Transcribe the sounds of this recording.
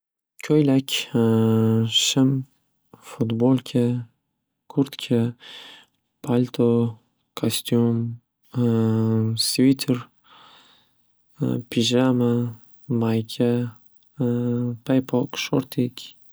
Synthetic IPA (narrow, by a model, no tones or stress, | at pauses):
kʲʰojlakʲ | ʃɪm | fut̪bolkʲʰə | kʰuɾt̪kʲʰə | pʰalʲt̪ʰo | kʰast̪jum | svit̪ʰəɾ | pʰiʒama | majkʲʰɛ | pʰajpʰɔkʃoɾt̪ʰikʲ